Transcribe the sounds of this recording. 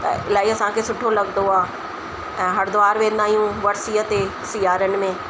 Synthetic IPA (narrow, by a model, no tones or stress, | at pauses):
t̪ɐ̰ɪlaːiɐsãkʰesʊʈʰːolɐɡnd̪oaː | ɛ̃ːɦɐɽd̪ʊaːɾʋẽːnd̪aːɦijũʋɐɾsijət̪e | sɪjaːɾənɪ̆mẽː